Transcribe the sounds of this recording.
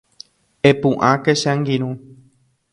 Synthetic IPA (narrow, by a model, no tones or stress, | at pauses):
epũʔãkeʃãŋɡĩɾ̃ũ